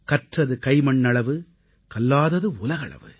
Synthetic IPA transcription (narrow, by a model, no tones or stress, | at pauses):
kɐʈrɐðɯkɐɪmɐɳːɐɭɐʋɯ | kɐlːaːðɐðɯʊlɐɣɐɭɐ̰ʋɯ̰